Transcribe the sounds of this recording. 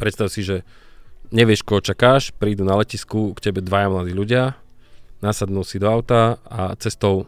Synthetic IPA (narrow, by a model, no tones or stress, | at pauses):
pɾɛt̪st̪aʊsiʒɛ | ɲɛʋɪɛʃkɔɦɔt͡ʃakaːʃpɾiːd̪unalɛciskukcɛbɛd̪ʋajamlad̪iːluɟɪa | nasad̪nulsid̪ɔaʊt̪aa̰t͡sɛst̪ɔʊ